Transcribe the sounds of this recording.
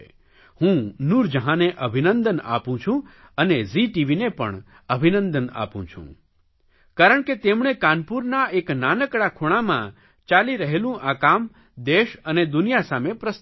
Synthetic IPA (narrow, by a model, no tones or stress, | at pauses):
hũnuɾd͡ʒəɦãneʔəbʱinənd̪əna̰pũt͡ʃʰũ | əneziʈiʋinepə̰ɳ | əbʱinənd̪əna̰pṵ̃t͡ʃʰṵ̃ | kaɾəɳket̪emɳ̃ekanpuɾnaeknanəkɽakʰuɽ̃amã̰ | t͡ʃaliɾəɦelũʔakam | d̪eʃəned̪unijasamepɾəs